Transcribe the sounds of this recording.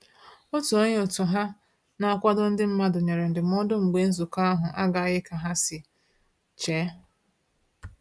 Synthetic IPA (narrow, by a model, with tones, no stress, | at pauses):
o˦tu˨o˦ɲe˦o˨tʊ˨ɦa˦ | na˨a˦˨kʷa˦dʊ˦n̩˦dɪ˦m̩˦ma˦dʊ˨ɲe˨ɾe˨n̩˨dɪ˨m˦ɔ˦dʊ˦ŋ͡m̩˨ɡ͡be˦n̩˦zu˨ka˦a˦ɦʊ˨ʔa˦ɡa˨˦ɣɪ˦ka˨ɦa˦sɪ˨ | t͡ʃeː˨˦